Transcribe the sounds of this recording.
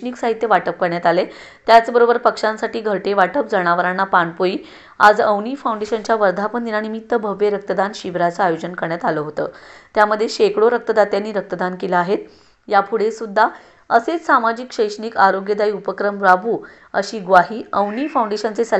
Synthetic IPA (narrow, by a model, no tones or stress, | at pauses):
niksaɦit̪jəʋaʈəp̚kəɾɳjat̪ale | t̪jat͡sbəɾobəɾpəkʂãnsaʈiːɡʱəʈeʋaʈəpd͡zəɽ̃aʋəɾanːapaɳpoiː | a̰d͡zəwniːfawuɳɖeɕənt͡ɕjaʋəɾd̪ʱapəɳd̪inaɽ̃imit̪ːəbʱəʋːeɾək̚t̪əd̪anɕiʋɾat͡saajod͡ʑənkəɾɳjat̪aləɦot̪ə̰ːt̪jaməd̪ʱːjeɕekɽoɾək̚t̪əd̪at̪janːiːɾək̚t̪əd̪ankelaaɦet̪̚ | japʰuɽesud̪ʱːa | əset͡ssamad͡ʑikɕəjʂɳiːkaɾoɡjəd̪aiupəkɾəmɾabʱuː | əɕiːɡʋaɦiːəwnifauɳɖeɕənt͡sesə